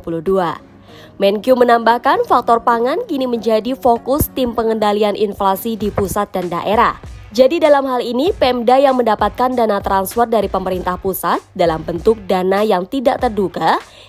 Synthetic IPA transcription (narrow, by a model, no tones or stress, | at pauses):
puludua | mɛnkjumənambahkanfak̚t̪ɔrpaŋankiniməɲd͡ʒadifokʊst̪ɪmpəŋəndalianʔinflasidipusat̪̚danda̰ʔeɾahd͡ʒadidalamɦalinipɛmdajaŋməndapat̪̚kandanat̪ɾanspɔrt̪̚daɾipəməɾint̪ahpusat̪̚dalambənt̪ʊk̚danajaŋt̪idaʔt̪ərduka